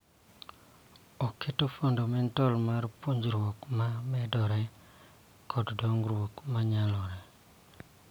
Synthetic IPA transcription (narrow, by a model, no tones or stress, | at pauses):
ɔkʰetofondomɛntɔlmarpoɲd͡ʒɾwokmamɛdɔɾɛ | kʰɔddoŋɡɾwokmaɲalɔɾɛ